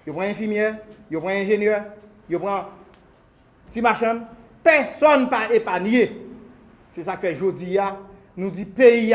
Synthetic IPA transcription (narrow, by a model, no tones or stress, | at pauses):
jopʁãɛ̃fimjɛjopʁãɛ̃ʒenjœ | jopɣã | t͡simaʃãm | pɛsɔnpaepanje | sɛs̬akfɛʒod͡zia | nũd͡zipeji